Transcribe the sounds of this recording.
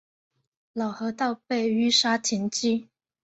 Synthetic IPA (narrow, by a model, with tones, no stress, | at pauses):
lɑ˨˩ʊxɤ˧˥t̪ɑ˥˧ʊpe˥˩ɪy˥ʂa˥t̪ʰi˧˥nt͡ɕi˥˩